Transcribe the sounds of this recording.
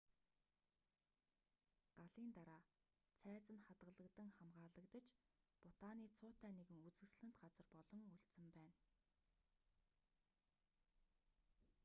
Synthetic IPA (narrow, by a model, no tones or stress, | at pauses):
ɢ̥aɮiːnt̪aɾaː | t͡sʰæːt͡sə̆nχat̪ɢə̆ɮə̆kt̪ə̆ŋχamɢaːɮə̆kt̪ə̆t͡ɕpʊt̪aːniːt͡sʰʊːt̪æːneɣɘ̆ŋut͡sɘ̆sɮɘ̆n̥t̪ɢat͡sə̆rpɔɮɞ̆ŋuɬt͡sɘ̆mpæːn